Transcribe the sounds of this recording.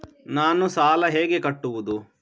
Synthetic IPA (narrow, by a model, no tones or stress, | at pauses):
naːnusaːlɐɦeːɡekɐʈːuʋud̪u